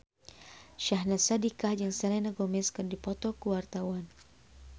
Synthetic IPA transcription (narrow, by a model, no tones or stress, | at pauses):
ʃaɦnasadikahd͡ʒɨŋsalɛnaɡɔmɛskɨndipɔt̪ɔkuwart̪awan